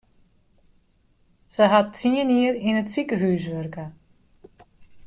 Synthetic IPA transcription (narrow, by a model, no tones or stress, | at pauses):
səɦatʰiəniəɾinətsikəɦyːs̬ʋørkə